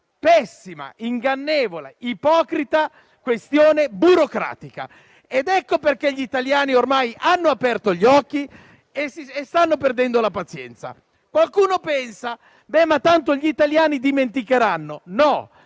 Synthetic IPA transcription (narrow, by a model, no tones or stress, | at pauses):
pɛsːima̰iŋɡanːeːvoleipɔːkɾit̪a | kwest̪joːnebuɾokɾa̰ːt̪ika̰ | ed̪ɛkːoperkeʎːit̪aljaːniormajʔanːoapɛrt̪oʎːɔkːi | esiest̪anːoperd̪ɛnd̪olapat̪sjɛ̰nt̪sa̰ | kwalkuːnopɛnsa | bɛmːat̪ːant̪oʎit̪aljaːnid̪iment̪ikeɾanːonɔ